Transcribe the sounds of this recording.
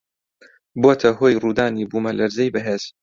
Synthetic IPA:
boːt̪ʰɐɦoːjruːd̪aːnibuːmɐlʔɐɾzɐjbɐɦeːz̥

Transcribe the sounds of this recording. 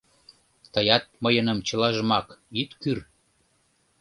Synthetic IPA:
t̪əjɑt̪̚məjənə̆mt͡ɕəlɑʒəmɑkjyt̪kyr

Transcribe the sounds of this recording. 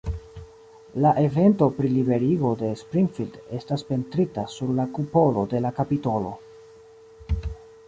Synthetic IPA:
laʔe̞ve̞nto̞pɾilibe̞ɾiɡo̞de̞spɾiŋfilde̞staspe̞ntɾitasuɾlakupo̞lo̞de̞lakapito̞lo̰

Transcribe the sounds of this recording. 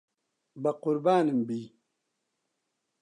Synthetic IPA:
baquɾbaːnim̩bi

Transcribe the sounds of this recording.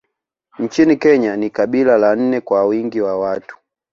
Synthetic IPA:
ɲ̩t͡ʃinikɛɲanikaɓilalan̩nɛkwawiŋɡiwawatu̥

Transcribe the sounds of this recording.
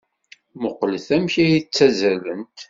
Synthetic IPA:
mʊqləθæmçæjit͡sːæzælənt̪

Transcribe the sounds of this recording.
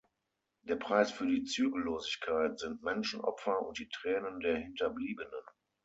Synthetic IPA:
d̥eːɐpʁ̥aɪsfyːɐdiːt͡syːɡl̩loːzɪçkʰaɪtz̥ɪntmɛnʃn̩ʔɔ̰pfɐʊ̰nt̚d̥iːtʁ̥ɛːnəndeːɐhɪntɐbliːbənən

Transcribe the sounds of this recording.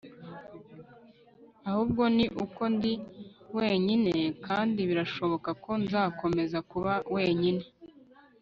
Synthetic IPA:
ahuːb̚ɡo̞niʔuko̞ndiwe̞ːɲine̞kaːndiβiɾaʃo̞βo̞kako̞nzaːko̞me̞zakuβawe̞ːɲine̞

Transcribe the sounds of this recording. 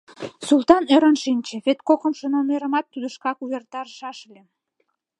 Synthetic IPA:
sulˠt̪ɑnøɾənʃinʲt͡ɕĕβet̪kokəmʃə̆nomeɾəmɑt̪ːud̪əʃkɑkuβert̪ɑrʃɑʃlʲe

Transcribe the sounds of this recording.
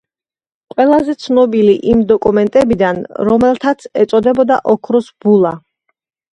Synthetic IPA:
qʼwɛlˠazɛt̪sʰnɔbiliʔimd̪ɔkʼumɛnt̪ʼɛbid̪anɾɔmɛlˠt̪ʰat̪sʰɛt̪sʼɔd̪ɛbɔd̪a̰ʔɔkʰɾɔsb̥ulˠa

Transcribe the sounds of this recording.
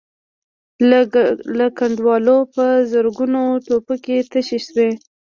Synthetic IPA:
lakaɳɖwɑlopəzəɾɡunoʈopoket̪əʃeʃwe

